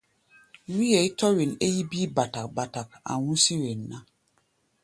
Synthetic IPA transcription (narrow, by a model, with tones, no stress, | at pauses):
wi˦je˨i˦tɔ˦we˨ne˦ji˦bi˦ba˨ta˨k̚ba˨ta˨k̚a̰˨wũ˦si˦we˨nːa˦